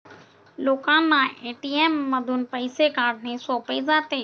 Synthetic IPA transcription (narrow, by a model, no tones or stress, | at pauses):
loːkãːnãeːʈiːeːmːəd̪ʱʊnpəɪsekaːɖnesoːpezaːt̪eː